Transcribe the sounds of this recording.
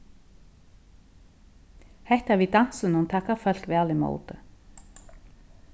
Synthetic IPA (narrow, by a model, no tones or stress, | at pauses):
hɛht̪avit̪an̥sʏnunt̪ʰaːkafœl̥kvɛalɪmo̰ːwt̪ʏ